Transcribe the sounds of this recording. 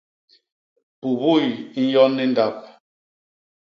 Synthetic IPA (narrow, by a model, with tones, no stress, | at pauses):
pu˨βu˦˨jn̩˦jɔ˦nːi˦n̩˦da˦p̚